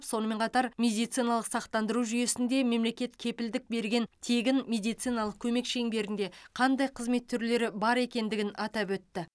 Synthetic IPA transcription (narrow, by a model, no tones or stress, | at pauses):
pso̞nəme̞ɴqʰɑt̪ɑɾmʲe̞d̪ijt̪sijnɑlˠəqsɑq̚t̪ɑnd̪əɾuʒʏje̞sɪnd̪e̞me̞mle̞kʲe̞t̪kʲʰe̞pɪld̪ɪk̚be̞ɾɡʲe̞nt̪ʰe̞ɡʲɪnmʲe̞d̪ijt̪sijnɑlˠəq̚kʲʰɵme̞kʃeŋbe̞ɾɪnd̪e̞qʰɑnd̪ɑjqʰəzme̞t̪ʰːʏɾle̞ɾɪbɑɾe̞kʲe̞nd̪ɪɡʲɪnɑt̪ɑpwɵt̪ːɪ